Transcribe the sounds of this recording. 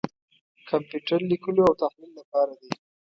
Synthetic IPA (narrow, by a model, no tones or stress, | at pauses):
kʰampjuʈaɾlikəloawt̪ahlillapɑɾad̪i